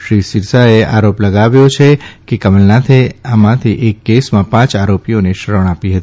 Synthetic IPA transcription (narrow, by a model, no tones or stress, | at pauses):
ʃɾisiɾsaeʔaɾopləɡaʋjot͡ʃʰekekəməlnat̪ʰeamãt̪ʰiʔekːesmãpãt͡ʃaɾopijoneʃəɾəɳ̃apiɦət̪i